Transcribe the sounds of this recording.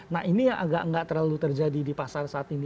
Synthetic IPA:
nahinijaʔaɡaʔŋɡaʔt̪ərlalut̪ərd͡ʒadidipasarsaːt̪ini

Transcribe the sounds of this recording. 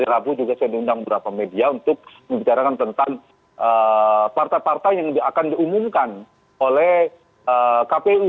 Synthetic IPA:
aɾiɾabud͡ʒuɡasajadiundaŋbəbəɾapamediaunt̪ʊk̚ | məmbit͡ʃaɾakant̪ənt̪aŋ | ʔəpart̪ajpart̪ajjaŋdiakandiumumkan | olɛh | əkapeu

